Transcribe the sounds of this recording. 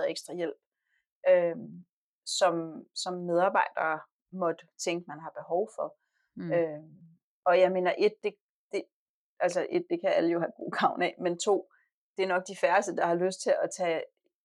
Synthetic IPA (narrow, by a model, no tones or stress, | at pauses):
ð̩ˠeɡ̥sd̥ʁɑ̈jel̰b̥ | ʔø | sɒ̽msɒ̽mːeð̞ˠɑ̈ːb̥ɑ̈ɪ̰d̥ɐː | mɒ̽d̥t͡sʰeŋɡ̥əmænɦɑ̈b̥e̝ɦɒʊfɒ̽ | ø | ɒ̽jɑ̈ɪme̝̰ːnɐʔe̝d̥̚ːe̝ | d̥e̝ | ʔælsəʔe̝d̥̚ːe̝kʰææləjo̝ɦæ̥ɡ̥o̝̰ːɡ̥ʰɑ̈ʊ̰nɛment͡sʰo̝̰ː | d̥e̝ɐnɒ̽ɡ̥̚d̥ifæɐsd̥əd̥ɑ̈hɑ̈løsd̥̚t͡sʰe̝lɒt͡sʰɛ